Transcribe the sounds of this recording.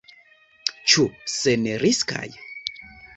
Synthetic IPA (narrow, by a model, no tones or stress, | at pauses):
t͡ʃuseneɾiska̰j